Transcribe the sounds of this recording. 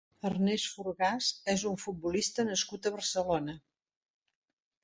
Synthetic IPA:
ərnɛsfuɾɣazɛzuɱfut̪̚bulist̪ənəskut̪əβərsəlonə

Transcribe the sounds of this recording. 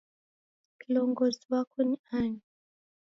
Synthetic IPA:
kilɔŋɡɔziwakʰuniaɲi

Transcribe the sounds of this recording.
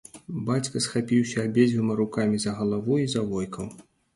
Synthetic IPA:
bat͡sʲkɐsxapʲiwsʲɐːbʲed͡zʲvɨmɐɾukamʲizɐɣɐlˠavuizɐvɔjkɐw

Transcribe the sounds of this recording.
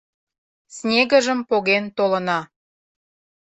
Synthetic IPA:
snʲeɣəʒəmpoɣent̪olə̆nɑ

